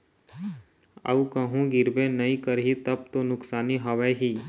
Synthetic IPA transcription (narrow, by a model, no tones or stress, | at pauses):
ə̰ukəɦũɡɪɾbẽnɐĩkəɾɦit̪əb̚t̪onʊksaːniɦɐʋeɦiː